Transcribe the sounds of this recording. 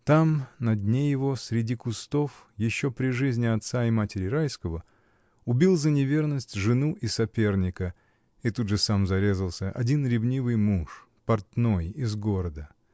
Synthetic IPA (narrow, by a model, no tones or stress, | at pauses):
t̪amnɐdʲnʲejɪvo̞sʲɾʲɪdʲikʊst̪o̞fjɪɕːo̞pɾʲɪʐɨzʲnʲɪɐt̪saɪmatʲɪɾʲɪɾajskəvə | ʊbʲilˠzənʲɪvʲe̞rnəsʲtʲʐɨnuʔɪsɐpʲe̞rnʲɪkə | ɪt̪udʐɨsamzɐɾʲe̞zəlˠsʲəʔɐ̰dʲinɾʲɪvnʲivɨjmuʂ | pɐrt̪no̞jɪzɡo̞ɾəd̪ə